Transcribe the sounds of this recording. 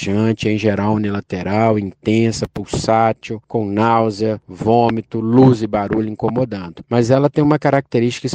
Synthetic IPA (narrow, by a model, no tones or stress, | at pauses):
ʒɐ̃t͡ʃɪẽj̃ʒeɾawũnilat̪eɾawĩt̪ẽsɐpusat͡ʃʊkõnawzjɐvõmit̪ʊluzɪbaɾuʎʊĩkomod̪ɐ̃nd̪ʊmɐzɛlɐt̪ẽj̃ũmɐkaɾak̚t̪eɾiʃt͡ʃi̥kɐis